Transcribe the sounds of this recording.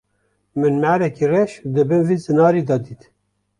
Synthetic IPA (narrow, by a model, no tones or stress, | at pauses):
mɨnmæɾɛkirɛʃd̪ɨbɨnvizɨnɑːɾiːd̪ɑd̪iːt̪